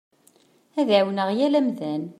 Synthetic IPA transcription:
æðʕwnəʁjælæmðæn

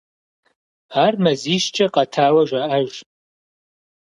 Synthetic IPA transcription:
armɐziʃt͡ʃʼɐqʼɐtʰaːwɐʒʷaaʒʷ

